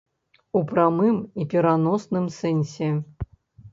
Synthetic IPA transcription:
upɾamɨmipʲiɾanɔsnɨmsɛnʲsʲɛ

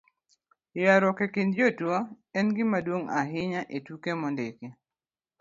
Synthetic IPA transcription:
jaɾɔkekɪndd͡ʒotwo | ɛnɡɪmadwoŋaɦɪɲaʔetukemɔndeke

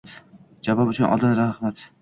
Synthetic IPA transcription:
t̪ | d͡ʒavɒpʊt͡ʃʰʊnʔɒ̰d̪anɾahmat̪

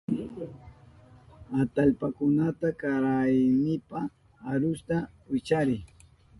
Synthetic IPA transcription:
at̪alpakʊnat̪akaɾajnɪpaː | ɾʊst̪awɪt͡ʃaɾɪ

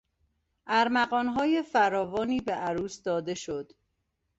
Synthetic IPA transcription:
ʔæɾmæɣɒːnɦɒːje̞fæɾɒːvɒːniːbeʔæɾuːsd̪ɒːd̪e̞ʃo̞d̪̥

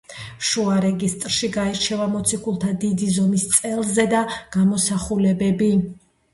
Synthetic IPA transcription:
ʃuaɾɛɡist̪ʼɾʃiɡaiɾt͡ʃʰɛvamɔt̪sʰikʰulˠt̪ʰad̪id̪izɔmist̪sʼɛlˠzɛd̪aɡ̥amɔsaχulɛbɛbi

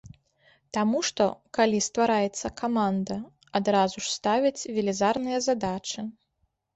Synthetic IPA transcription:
t̪amuʂt̪ɔ̰kalʲist̪vaɾajɛt̪sːɐkamand̪ɐ | ad̪ɾazuʂst̪avʲit͡sʲvʲɛlʲizarnɨjɐzad̪at͡ʂɨ

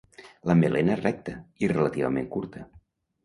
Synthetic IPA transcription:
ləmelenərɛk̚t̪əirelət̪iβə̰mḛŋkuɾt̪ə

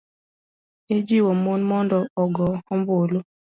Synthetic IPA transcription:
ed͡ʒiwomonmɔndɔɔɡɔɔmbolo

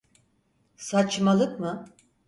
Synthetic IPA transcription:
sat͡ʃmalˠɯkmɯ

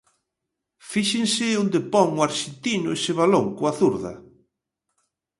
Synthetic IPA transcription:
fiʃẽŋsɪond̪epɔŋwaɾʃent̪inʊesɪβaloŋkoaθuɾðɐ̰

